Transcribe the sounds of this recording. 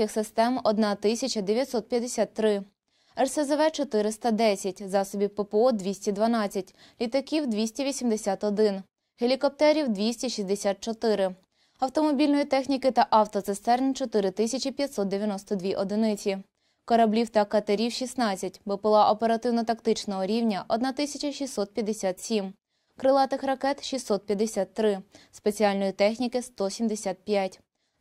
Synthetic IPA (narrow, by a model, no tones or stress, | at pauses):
ixsɪst̪ɛmɔd̪nɑt̪ɪsʲɐt͡ʃɐd̪eʋʲjɐt̪ʲsɔt̪̚pʲjɐd̪ːesʲat̪ːɾɪ | ɛrsezeʋɛt͡ʃɔt̪ɪɾɪst̪ɐd̪ɛsʲɐtʲzɑsɔbʲiwpepeɔd̪ʲʋʲisʲtʲid̪ʋɐnɑt͡sʲːɐtʲ | lʲit̪ɐkʲiwd̪ʋʲisʲtʲiʋʲisʲimd̪esʲat̪ɔd̪ɪn | helʲikɔp̚t̪ɛɾʲiwd̪ʋʲisʲtʲiʃʲizʲd̪esʲat̪̚t͡ʃɔt̪ɪɾɪ | ɐwt̪ɔmɔbʲilʲnɔjit̪ɛxnʲikɪt̪ɐʔɑwt̪ɔt̪sɪst̪ɛɾnʲt͡ʃɔt̪ɪɾɪt̪ɪsʲɐt͡ʃipʲjɐt̪ʲsɔt̪d̪eʋʲjɐnɔst̪ɔd̪ʲʋʲiʔɔd̪ɪnɪt͡sʲi | kɔɾɐblʲiwt̪ɐkɐt̪eɾʲiwʃʲisnɑt͡sʲːɐt̚ʲbɪpɪlˠɑʔɔpeɾɐt̪ɪwnɔt̪ɐkt̪ɪt͡ʃnɔɦɔɾʲiwnʲɐʔɔd̪nɑt̪ɪsʲɐt͡ʃʲɐʃʲisɔt̪̚pʲjɐd̪esʲat̪sʲim | kɾɪlˠɑt̪ɪxɾɐkɛt̪ʃisɔt̪̚pʲjɐd̪ːesʲat̪ːɾɪspe̞t͡sʲialʲnɔjit̪ɛxnʲikɪst̪ɔsʲimd̪esʲat̪̚pʲjatʲ